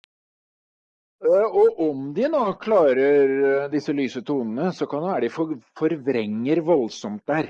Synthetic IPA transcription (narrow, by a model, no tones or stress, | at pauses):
ɔʔɔmd̪ɪnoːkʰlɑːɾəɾd̪ɪsːəlyːsət̪ʰuːnənəsɔkʰɑnd̪ɛʋæːɾəɖ̪ɪfɔfɔɾʋɾɛŋːəɾʋɔlsɔmt̪̚d̪æːɾ